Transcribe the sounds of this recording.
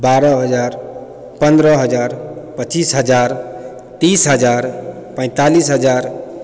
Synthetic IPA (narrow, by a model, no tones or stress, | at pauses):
baɾəɦəd͡ʒaɾ | pənd̪ɾəɦəd͡ʒaɾpət͡ʃisɦəd͡ʒaɾ | t̪isɦəd͡ʒaɾ | pə̃ɪ̃t̪alisɦəd͡ʒaɾ